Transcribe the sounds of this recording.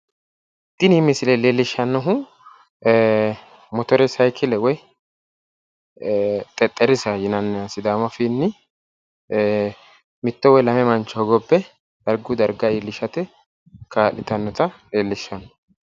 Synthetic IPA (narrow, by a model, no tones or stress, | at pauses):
t̪ːɪniːmɪsɪlɛleːlːɪʃːɐnːɔɦʊ | mɔt̪ɔɾɛsɐjkʰɪlɛwɔj | t̪ʼɛt̪ʼːɛɾɪsɐjɪnɐnːɛɐsɪd̪aːmɐfɪnːɪ | mɪt̪ːɔwɛjlɐmɛmɐnt͡ʃːɔɔɡɔbːɛ | d̪̥ɐɾɡʊd̪ɐɾɡaeːlːɪʃɐt̪ɛ | kaːlɪt̪ɐnːɔt̪ɐleːlːɪʃːɐnːɔ